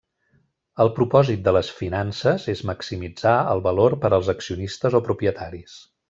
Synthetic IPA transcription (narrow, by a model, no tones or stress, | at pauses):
əlˠpɾupɔzit̪̚d̪ələsfinansəzezməksimid͡zaə̰lˠβəloɾpəɾəlˠzəksiunist̪əzopɾupiət̪ʰaɾis